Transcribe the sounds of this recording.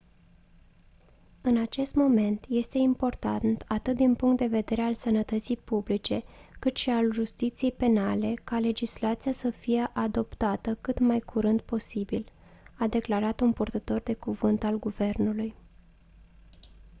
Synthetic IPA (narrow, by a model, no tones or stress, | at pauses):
ɨnat͡ʃe̞st̪mo̞me̞nt̪je̞st̪e̞impo̞rt̪ant̪at̪ɨt̪̚d̪inpuŋkt̪̚d̪e̞ve̞d̪e̞ɾealsənət̪ət̪sijpublit͡ʃe̞kɨt̪ʃialʒust̪it̪sije̞jpe̞nale̞kale̞d͡ʒislat̪sijasəfije̞ʔad̪o̞pt̪at̪əkɨt̪majkʰuɾɨnd̪̚po̞sibil | ad̪e̞klaɾat̪unpurt̪ət̪o̞rd̪e̞kuvɨnt̪alɡuve̞rnuluj